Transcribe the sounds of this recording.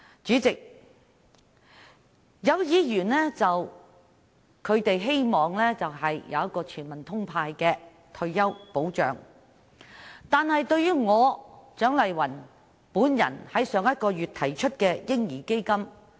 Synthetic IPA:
t͡ʃyː˨˥t͡sɪ˨k̚ | jɐ˨˧wjiː˨˧jyː˨˩nlɛː˥t͡sɐ˨w | kʰɵ˨˧ɥt̪e˨jɦe˥jmɔː˨˩ŋlɛː˥t͡sɐ˨wɦɐ˨jjɐ˨˧wjɐ˥t̚kɔː˧t͡ʃʰyː˨˩nmɐ˨˩nt̪ʰʊ˥ŋpʰaː˧jkɛː˧ | t̪ʰɵ˧ɥjɐ˥wpo˨˥wt͡ʃœ̰ː˨˧ŋ | t̪aː˨nhɐ˨jt̪ɵ˥˧ɥyː˥ŋɔː˨˧t͡sœː˨˥ŋlɐ˨jwɐ˨˩n | puː˨˥njɐ̰˨˩nhɐ˨˥jsœː˨˧˥ŋjɐ˥t̚kɔː˧jyː˨˩t̪̚ʰɐ˨˩jt͡ʃʰɵ˥t̚kɛː˧jɪ˥ŋjiː˨˩ke˥jkɐ˥m

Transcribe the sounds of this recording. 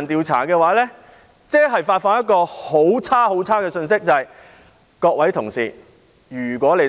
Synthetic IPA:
nt̪iː˨˧wt͡sʰa̰ː˨˩kɛː˧waː˨˥lɛː˥ | t͡sɛː˥ɦɐ˨jfaː˧t̚fɔː˧ŋjɐ˥t̚kɔː˧ho˨˥wt͡sʰaː˥ɦo˨˥wt͡sʰaː˥kɛː˧sɵ˧ns̬ɪ˥k̚t͡sɐ˨ɐ˨j | kɔː˧k̚wɐ˨˥jt̪ʰʊ˨˩ŋsḭː˨˩ | jyː˨˩kʷɔː˨˥le˨˩

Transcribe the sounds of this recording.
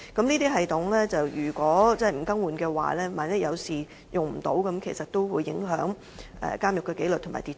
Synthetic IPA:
kɐ˨˥mniː˥t̪iː˥ɦɐ˨jt̪ʊ˨˥ŋlɛː˥t͡sɐ˨wjyː˨˩kʷɔː˨˥t͡sɛː˥˩jm̩˨˩kɐ˥ŋwuː˨nkɛː˧wa̰ː˨lɛː˥maː˨nɐ˥jɐ˨˧wsiː˨˩ | jʊ˨ŋm̩˨˩t̪o̰˨˥wkɐ˨˥mkʰe˨˩jsɐ˨t̚t̪o˥wwuː˨˧jːɪ̰˨˥ŋɦœː˨˥ŋ | ʔɛ̰ː˨˩kaː˥mjʊ˨kːɛː˧ke˨˥lɵ˨t̪ʰma̰ː˨˩t̪iː˨

